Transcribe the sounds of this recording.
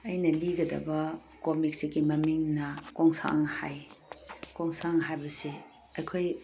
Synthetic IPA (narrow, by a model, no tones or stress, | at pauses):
ɐjnɐliɡɐdɐ̰bɐ | komik̚siɡimɐmiŋnɐkoŋsa̰ŋha̰j | koŋsaŋɦajbɐsi | ɐkʰoj